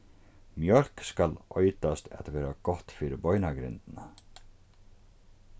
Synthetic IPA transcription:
mjœɾ̥kskalɔʏt̪ast̪ɛt̪aʋɛːɾaɡɔht̪fiːɾɪɾbɔʏnaɡɾɪ̰nt̪na

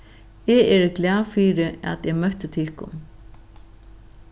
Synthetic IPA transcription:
ɛɛːɾɪklaːfiːɾɪa̰ðɛɣmœht̪ʏt̪ʰɪlkʊ̰n

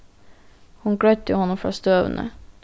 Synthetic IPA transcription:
hʊnɡɽœʏt̪əhɔnɔmfɾɑ̰ːst̪øːʋə̰nʔə̰

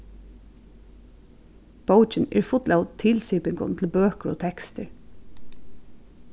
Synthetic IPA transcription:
b̥owt͡ʃɪnɛ̰ɹfʊt̪laʊt̪ʰɪlsiːpɪŋkʊ̰nt̪ʰɪlbøːkəɹɔ̰ːt̪ʰɛkst̪əɹ

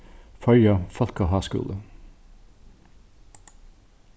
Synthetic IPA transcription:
fœʏɑfɔlkɑɦɑːskʉ̰ːlə

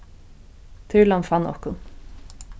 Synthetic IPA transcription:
t̪ʰɪɹlanfanːɔ̰hkʊn

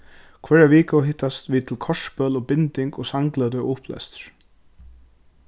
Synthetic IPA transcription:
kʰvɛːɹaʋiːkawɦɪht̪ːast̪ʋiːt̪ʰɪlkʰɔʂpœːlɔpɪnt̪ɪŋkɔsaŋklat̪ɛʔʊhplɛ̰st̪ɾ̥

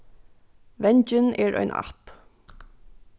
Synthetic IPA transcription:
ʋɛɲd͡ʒəneːɹʔœ̰ʏnʔɑ̰p

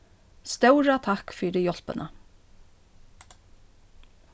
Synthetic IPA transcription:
st̪œwɹat̪ʰakfiːɾɪjɔl̥pɪ̰nʔa̰

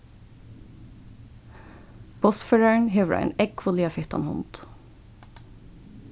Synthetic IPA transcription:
b̥ɔsføːɹæɳɦɛːʋɹʔɑ̰ɪnɛkʋʊliːɑfɪht̪ɑ̰nhʊ̰nt̪

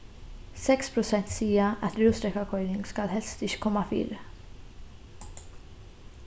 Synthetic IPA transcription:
sɛkspɾʊsɛnt̪siːəʔɐt̪ɾuːsɾɛkːakʰɔjnɪŋɡskɐlɦɛlst̪ɪʃkɔmːɐfḭːɾə

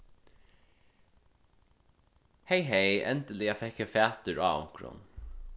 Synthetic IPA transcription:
hɛjɦɛjɛnt̪əlɪafɛhkːəfæːt̪ʏɾa̰ːʊ̰ŋ̥kɾʊ̰n

